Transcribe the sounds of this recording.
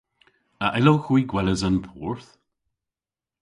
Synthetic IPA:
əʔɪloxwiɡwɛləzanpʰɔɹθ

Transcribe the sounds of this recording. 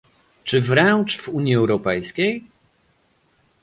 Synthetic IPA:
t͡ʂɘvɾɛnt͡ʂv̥uɲjiɛwɾɔpɛjskʲej

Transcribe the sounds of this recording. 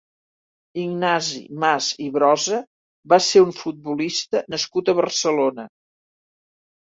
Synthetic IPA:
iɡnazḭmaziβɾɔzə | baseuɱfut̪̚bulist̪ənəskut̪əβərsəlonə

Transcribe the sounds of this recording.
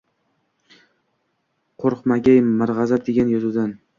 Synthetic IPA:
qʰoɾqmaɡʲajmaɾʁɑzap̚d̪eɡʲanjɒzud̪an

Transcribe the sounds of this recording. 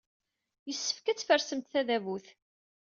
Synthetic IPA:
jəsːə̥fkæt͡sːfəɾsəmt̪θæðævuθ

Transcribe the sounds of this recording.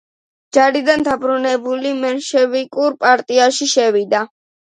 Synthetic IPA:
d͡ʒaɾid̪and̪abɾunɛbulimɛnʃɛvikʼuɾpʼaɾt̪ʼiaʃiʃɛwid̪a

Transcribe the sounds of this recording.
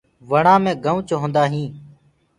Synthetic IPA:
ʋəɳãːmẽːɡəʋʊ̃t͡ʃɦõːnd̪aːɦĩː

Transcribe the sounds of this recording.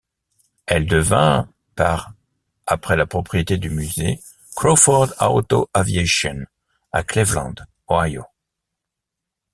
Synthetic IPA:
ɛld̪əvɛ̃ | paʁ | apχɛlapχɔpχijet̪ed̪ymyze | kχofɔʁd̪a̰ot̪oʔavjeʃjɔn | a̰klɛvlɑ̰̃d̪ | oajo̰

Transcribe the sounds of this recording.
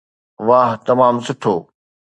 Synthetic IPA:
ʋaːɦt̪ɐmaːmsʊʈʰoː

